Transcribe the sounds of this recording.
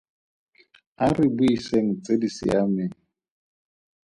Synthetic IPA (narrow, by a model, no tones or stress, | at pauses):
arɪbʊiseŋ̩t͡sedisɪ̰amɪŋ̩